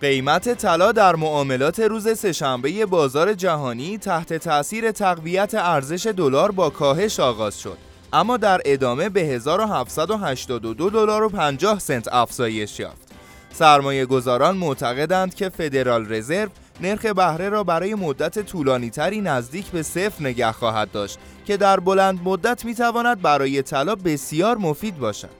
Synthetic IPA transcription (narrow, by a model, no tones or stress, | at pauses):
ɢe̞jmæt̪ʰe̞t̪ʰælɒːd̪æɾmoɒːme̞lɒːt̪ʰe̞ɾuːze̞se̞ʃæmbe̞je̞bɒːzɒːɾe̞d͡ʒæɦɒːniːt̪ʰæht̪ʰe̞t̪ʰæʔsiːɾe̞t̪ʰæɣvijæt̪ʰe̞æɾze̞ʃe̞d̪olɒːɾbɒːkʰɒːɦe̞ʃɒːɣɒːz̥ʃo̞̰d̪̥ | ʔæmːɒːd̪æɾe̞d̪ɒːme̞be̞ɦe̞zɒːɾo̞ɦæft̪sæd̪o̞ɦæʃt̪ɒːd̪o̞d̪od̪o̞lɒːɾo̞pʰænd͡ʒɒːhsent̪ʰæfz̥ɒːje̞ʃjɒ̰ːft̪ | sæɾmɒːje̞ɡo̞zɒːɾɒːnmoʔt̪ʰæɣe̞d̪ænd̪cʰe̞fe̞d̪e̞ɾɒːlre̞ze̞ɾv | ne̞ɾxe̞bæhɾe̞ɾɒːbæɾɒːje̞mo̞d̪ːæt̪ʰe̞t̪ʰuːlɒːniːt̪ʰæɾiːnæzd̪iːcʰbe̞se̞fɾne̞ɟæhxɒːɦæd̪̚ːɒːʃt̪ | cʰe̞d̪æɾbo̞lænd̪̚mo̞d̪ːæt̪ʰmiːt̪ʰævɒːnæd̪̚bæɾɒːje̞t̪ʰælɒːbe̞sijɒːɾmo̞fiːd̪̚bɒːʃæ̰d̪̥